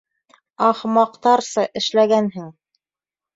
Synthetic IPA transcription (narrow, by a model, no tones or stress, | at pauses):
ɑχmɑqt̪ɑɾsɤʔɘ̆ʃlæɡænɦɘŋ